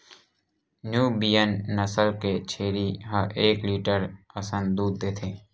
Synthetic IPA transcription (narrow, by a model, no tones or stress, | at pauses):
njuːbiːjənːəsəlket͡ʃʰeːɾiɦə̃ʔeːkliːʈəɾəsənd̪uːd̪̚ːeːt̪ʰeː